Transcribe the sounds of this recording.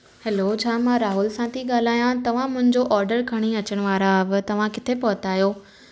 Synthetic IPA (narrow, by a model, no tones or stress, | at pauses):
hɛlot͡ɕʰaːmãɾaːɦʊlsãt̪ʰiɠaːl̤aːjãt̪ɐʋ̤ãmʊ̃ɦɪ̃ɲd͡ʑoʔɔːɾɖəɾkʰɐɽ̃iɐt͡ɕəɽ̃ʋaːɾaʋɪ̆t̪ɐʋ̤ãkɪt̪ʰepɔɦt̪aːjoː